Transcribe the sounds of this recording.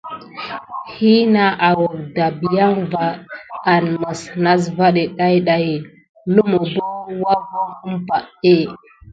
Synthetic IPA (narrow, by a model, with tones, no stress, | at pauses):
hi˦na˦ʔa˨wo˨k̚da˨bja˦ŋva˨a˨nmə˨sna˦s̬va˦ɗe˨ɗa˦jɗa˨ji˨ | lu˦mo˨bo˦wa˦vo˦ə˦mpa˦˨ʔe˦